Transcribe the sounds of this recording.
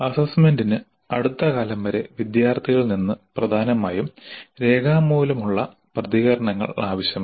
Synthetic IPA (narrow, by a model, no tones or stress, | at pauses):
ɐsɐsmendinɨ | ɐɽut̪ːɐkaːlɐmʋɐɾe̞ʋid̪jaːrt̪ʰiɣɐɭninːɨprɐd̪ʱaːnɐmaːjumɾe̞ːɡʰʱaːmuːlɐmuɭːɐ̰ | prɐðiɣɐɾɐɳɐŋːɐ̰ɭaːʋɐɕjɐm